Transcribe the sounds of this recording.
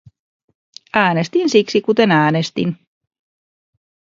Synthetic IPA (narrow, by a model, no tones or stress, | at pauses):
æːnest̪insiksikut̪e̞næːnest̪ḭn